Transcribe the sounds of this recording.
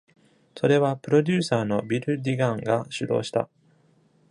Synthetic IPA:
so̞ɾe̞βapɯ̟ɾo̞d̪ʲɨːsaːno̞bʲiɾɯ̟d̪ʲiɡãŋɡaɕɨd̪o̞̰ːɕi̥t̪a̰

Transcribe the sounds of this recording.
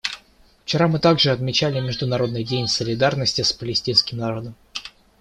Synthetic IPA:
ft͡ɕɪɾamɨt̪aɡʐɨɐt̪mʲɪt͡ɕælʲɪmʲɪʐd̪ʊnɐɾo̞d̪nɨjdʲenʲsəlʲɪd̪arnəsʲtʲɪspəlʲɪsʲtʲinskʲɪmnɐɾo̞d̪əm

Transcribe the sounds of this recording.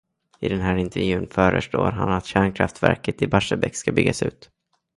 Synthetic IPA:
ɪd̪ɛnɦæːɾɪnt̪ʰɛɾjʉ̟ːnfœːɾə̰ʂʈo̰ːɾɦanat̪ɕæːɳkʰɾaft̪væ̰ɾkət̪ɪbaʂəbɛkskabʏɡːasʉ̟ːt̪

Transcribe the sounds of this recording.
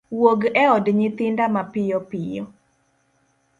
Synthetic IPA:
woɡɛɔdɲɪt̪ɪndamapɪjɔpɪjɔ

